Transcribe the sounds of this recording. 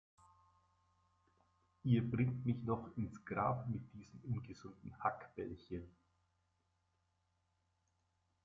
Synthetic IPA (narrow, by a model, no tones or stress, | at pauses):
ʔiːɐbʁɪŋtmɪçnɔχɪnsɡ̥ʁaːpmɪt̚d̥iːzəmʔʊnɡəzʊndn̩hakb̥ɛlçən